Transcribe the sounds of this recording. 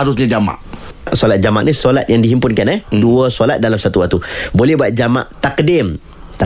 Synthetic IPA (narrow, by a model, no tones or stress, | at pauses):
aɾʊsɲad͡ʒama̰ʔʔsolat̪̚d͡ʒamaʔnisolat̪̚jaŋdiɦimpʊnkanɛhduəsolat̪̚dalamsat̪uwak̚t̪ubolɛɦbuat̪̚d͡ʒama̰ʔt̪akdɪm | t̪